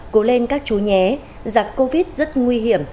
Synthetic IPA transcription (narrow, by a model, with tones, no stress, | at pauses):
ko˨˦le˧nkaː˦˥k̚t͡ɕu˨˦ɲɛ˨˦ | za˨˩kːo˧vi˦˥t̚zə˦˥t̚ŋwi˧ɦi˧˩˨əm